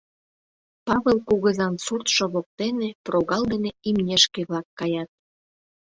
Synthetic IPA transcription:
pɑβelˠkuɣəzɑnsurt̪ʃŏβok̚t̪eneproɣɑld̪eneimnʲeʃkeβlɑkːɑjɑt̪̚

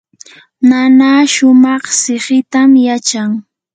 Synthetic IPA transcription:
nanaʃʊmɑχsɪɢɪt̪amjat͡ʃaŋ

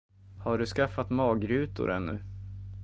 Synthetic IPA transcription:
haɖɵskafːat̪mɑːɡɾʉ̟ːt̪ʊ̰ɾɛ̰nːɵ̰

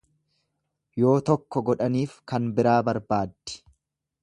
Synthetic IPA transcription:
jo̞ːt̪ɔkːɔɡɔᶑɐniːfkɐnbɪɾaːbɐɾbaːd̪ːɪ̥

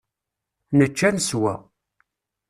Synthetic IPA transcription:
nət͡ʃːænəswæ̰

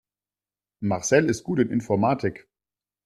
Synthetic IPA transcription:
maʁsɛlɪst̚ɡ̥uːtɪnʔɪ̰nfɔɐmaːtʰɪk

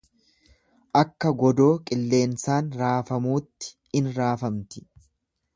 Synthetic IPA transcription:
ʔɐkːɐɡɔd̪o̞ːkʼɪlːe̞ːnsaːnɾaːfɐmuːt̪ːɪ̥ | ɪnɾaːfɐmt̪ɪ̥

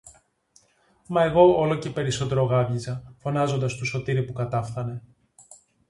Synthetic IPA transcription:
mɐe̞ɣo̞olo̞ce̞pe̞ɾiso̞t̪e̞ɾo̞ɣɐvʝizɐfo̞nɐzo̞nd̪ɐst̪uso̞t̪iɾipukɐt̪ɐfθɐne̞

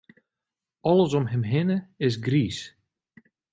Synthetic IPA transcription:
ɔləs̬ɔmɦɛmɦɪnəɪs̬ɡriːs

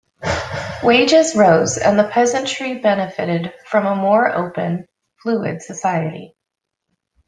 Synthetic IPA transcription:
weɪd͡ʒɪzɹoʊzɨ̰̃nðəpʰɛzɨ̃ntʰɹ̥ibɛnɨfɨɾɪd̥fɹʌ̃məmɔɹo̰ʊpɨ̃n | fluɪ̰d̥sɨsaɪɨɾḭ

